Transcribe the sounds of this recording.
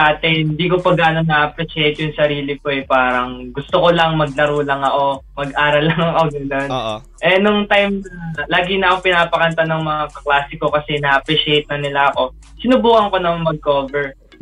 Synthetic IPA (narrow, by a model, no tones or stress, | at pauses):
aːt̪ɛɪnd̪iːko̞pɐɡaːnonɐʔɐpɾɪʃɛjt̪jʊŋsɐɾiːlɪkoɛpaːɾɐŋɡʊst̪oko̞lɐŋmɐɡ̚lɐɾuːlɐŋɐʔo̞mɐɡʔaːɾɐlːɐŋɐŋʔoɡɐnon | ʔɛnʊŋt̪ajmɐlaːɡɪnɐʔɐkopɪnaːpɐkɐnt̪anɐŋmɐŋakɐklaːsɪko̞kɐsɛnɐʔɐpɾɛʃɪejt̪̚nɐnɪlaɐko̞ | sɪnʊbuːhɐŋko̞nɐŋmɐɡ̚koːvɛɹ